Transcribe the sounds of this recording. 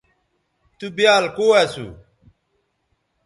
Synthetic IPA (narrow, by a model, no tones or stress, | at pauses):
t̪ubijaːlkoːasṵ